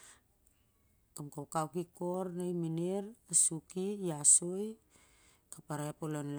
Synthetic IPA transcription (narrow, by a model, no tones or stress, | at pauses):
kamkawkawkiko̞ɾnajmineɾasukiːasoj | kapaɾaepolonl